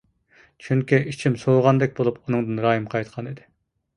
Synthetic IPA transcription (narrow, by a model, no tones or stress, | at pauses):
t͡ʃʰyŋkʲiʔit͡ʃʰimsoːʁɑnd̪ɛk̚ʲbolˠupunɨŋd̪ɨnɾɑːjɨmqʰɑjt̪qʰɑnid̪ɪ